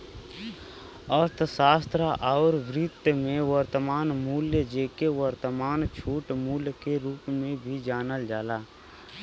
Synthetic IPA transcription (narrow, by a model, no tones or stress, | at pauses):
ɔːɾt̪ʰəsaːst̪ʰɾaʔaːɾʋɾɪt̪mẽʋəɾt̪əmaːnmuːljəd͡ʒeːkeʋəɾt̪əmaːnt͡ʃʰuːʈmuːljəkeɾuːpmẽbʱid͡ʒaːnəld͡ʒaːlaː